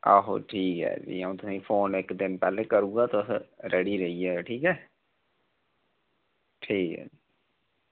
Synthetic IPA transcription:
aɦo̰ʈʰiːkɦɛ̰ːd͡ʒḭəũt̪ʊsĩfʰoːnɪkd̪ɪnpɛːlekəɾũːɡaːt̪osɾʔəɽiɾəɦiɛʈʰiːkɦɛː | ʈʰiːkɦɛ̰ːd͡ʒi

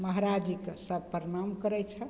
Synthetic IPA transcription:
məɦaɾad͡ʒiksəb̚pɾəɳamkəɾɛt͡ʃʰə

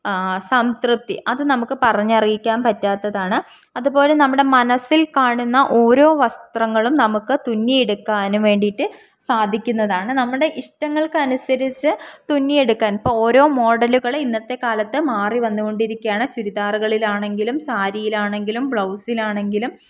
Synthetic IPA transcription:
sɐmsrɨp̚t̪ːḭʔɐðɨnɐmukːɨpɐrɐɲːɐrijikʲːaːnpɐtːaːt̪ːɐðaːɳɨ | ɐðubo̞ːlenɐmːuɽe̞mɐnɐsːilkaːɳunːɐʔo̞ːɾo̞ːʋɐst̪rɐŋːɐɭumnɐmukːɨt̪unːijeɽukːaːnuʋe̞ːɳɖiʈːɨ | saːd̪ʱikʲːunːɐðaːɳɨnɐmːuɽe̞ʔiʂʈɐŋːɐɭkɨɐnusɐɾit͡ɕːɨt̪unːijeɽukːaːnipːoːo̞ːɾo̞ːmo̞ːɽɐluɣɐɭinːɐt̪ːe̞kaːlɐt̪ːɨmaːriʋɐnːuɣo̞ɳɖiɾikʲːuaːɳɨt͡ɕuɾiðaːrɣɐɭilaːɳe̞ŋɡilumsaːɾijilaːɳe̞ŋɡilumbɭɐwsilaːɳe̞ŋɡilum

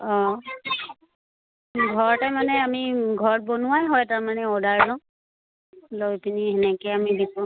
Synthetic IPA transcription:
ɔ | ɡʱɔɹtɛmanɛamiɡʱɔɹt̚bɔnʊwajɦɔjtaɹmanɛɔdaɹzã | lɔjpiniɦɛnɛkɛamibitu

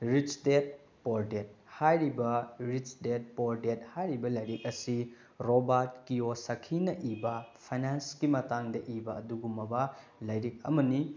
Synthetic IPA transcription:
ɾit͡ʃdet̚ | poɾdet̚hajɾibɐɾit͡ʃdet̚poɾdet̚hajɾibɐlɐjɾik̚ɐsi | ɾobaɾtkiosɐkʰinɐʔibɐpʰajnanskimɐtaŋdɐʔibɐɐduɡumɐbɐ | lɐjɾik̚ɐmɐni

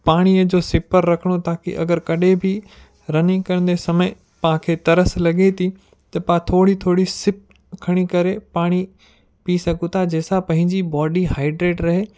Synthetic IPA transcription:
paːɽ̃iəd͡ʑoːsɪpəɾːɐkʰəɽ̃ot̪aːkḭʔɐ̰ɡəɾkɐɗebʱɪ | ɾɐnikɐɾə̃n̆d̪esɐmə | paãkʰeːt̪ɐɾəslɐɠet̪ʰi | t̪ɐpãt̪ʰoːɽit̪ʰoːɽisɪp̚ | kʰɐɽ̃ikɐɾepaːɽ̃i | piːsɐɡʱũt̪ʰad͡ʑeːsapɐ̃ɦɪ̃ɲd͡ʑibɔːɖiɦaːɪɖɾeːʈɾɐɦe

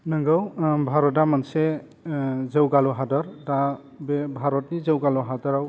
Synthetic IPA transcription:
nəŋɡawbʱaɾɔt̬amansɛ | zewɡalɔɦadɔɹta | bɛbʱaɾɔtnizewɡalɔɦadɔɹaw

